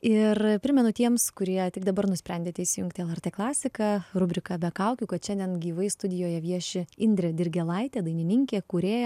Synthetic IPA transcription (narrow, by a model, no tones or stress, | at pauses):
ɪrpʲɾʲɪmʲɛnʊt̪ʲiɛmskʊɾʲiɛt̪ʲɪɡd̪ɐbɐɾnʊsʲpʲɾʲɛnʲd̪ʲeːt̪ʲɛɪʃsʲɪjʊŋkt̪ʲɪɛlˠɐrʲt̪ʲeːklˠɑːsʲɪkɑɾʊbʲɾʲɪkɑbʲɛkɐʊkʲukɐt̪ʃʲɛnʲd̪ʲiɛnɡʲiːʋɐɪst̪ʊd̪ʲɪjoːjɛʋʲiɛʃʲɪɪnʲd̪ʲɾʲɪd̪ʲɪɾʲɡʲɛlˠɐɪt̪ʲeːd̪ɐɪnʲɪnʲɪŋʲkʲeːkuːɾʲeːjɛ